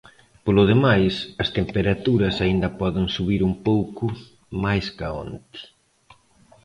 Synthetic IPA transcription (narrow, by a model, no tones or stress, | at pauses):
polʊð̞emajsɐst̪empeɾat̪uɾɐsaind̪ɐpɔðɪŋsuβiɾumpowkʊ | majskao̰nt̪ɪ̥